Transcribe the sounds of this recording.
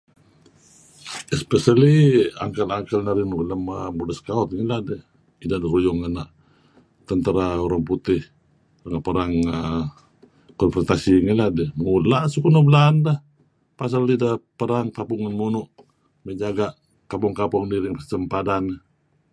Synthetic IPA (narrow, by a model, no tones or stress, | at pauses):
ɛspɛsəlia̰ŋkəlaŋkəlnaɾinuɡləmamudəskaɔt̪̚ŋiladɛh | idadəɾujʊŋanaʔ | t̪ənt̪əɾauɾaŋput̪ɪh | rəŋapəɾaŋə | kɔnfɾɔnt̪asiŋiladɛŋulaʔsukunublandah | pas̬alidapəɾaŋkapuŋanmunuʔ | məd͡ʒaɡaʔ | kapɔŋkapɔŋdiɾɪŋpəsəmpadanə